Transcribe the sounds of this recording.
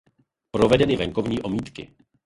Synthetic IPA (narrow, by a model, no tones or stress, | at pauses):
pɾovɛdɛnɪvɛŋko̞vɲiːʔo̞miːt̪kɪ̰